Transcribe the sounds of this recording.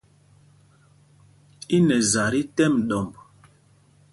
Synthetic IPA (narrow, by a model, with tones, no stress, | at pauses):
i˦nɛ˨za˨ɾi˦tɛ˦mɗɔ˨mb